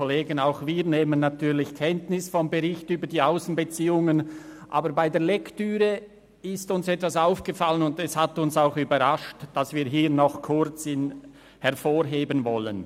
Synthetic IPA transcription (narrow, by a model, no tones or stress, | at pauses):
oleːɡənaʊxviːʁneːmənːatʰyːɾlɪçkʰɛntnɪsfɔmbəʁɪçtyːbəɾdiːaʊsn̩bət͡siːʊŋənʔa̰ːbəɾbaɪdeːɐlɛktyːʁə | ɪstʊnsɛtv̥asaʊfɡ̥əfalənʊndɛshatʊnsaʊxyːbɐʁaʃtd̥asv̥iːɦiːɾnɔχkʰʊɾt͡sɪn | hɛʁfoːɾɦeːbənvɔlə̰n